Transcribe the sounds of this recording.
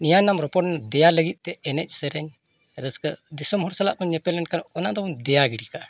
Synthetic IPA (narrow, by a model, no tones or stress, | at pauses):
nijanamɾɔpɔʈnad̪ɛjaləɡit̪̚ˀt̪ɛɛnɛc̚ˀsəɾɛɲ | ɾəskəd̪isɔmɦɔɾsala̰ʔpəɲɛpɛlɛnkanɔnad̪ɔɔd̪ɛjaɡiɽikaʔ